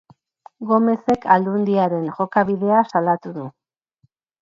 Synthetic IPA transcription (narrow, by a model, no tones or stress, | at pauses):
ɡo̞me̞se̞kʰald̪und̪iaɾe̞nʝo̞kaβiðe̞asalat̪uðu